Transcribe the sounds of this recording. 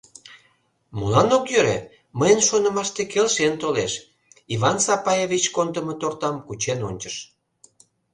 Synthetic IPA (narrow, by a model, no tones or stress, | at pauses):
mulɑnokjøɾe | məjənʃonə̆mɑʃt̪ekelʃent̪oleʃ | iβɑnsɑpɑjevit͡ɕkond̪əmət̪ort̪ɑmkut͡ɕenonʲt͡ɕəʃ